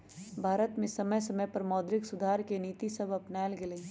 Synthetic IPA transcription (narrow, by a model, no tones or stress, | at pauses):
bʱaːɾət̪mẽsɐməjsɐməjpɐɾmɔːd̪ɾɪksʊd̪ʱaːɾkeniːt̪isɐbʱɐpnaːjlɡɪlẽː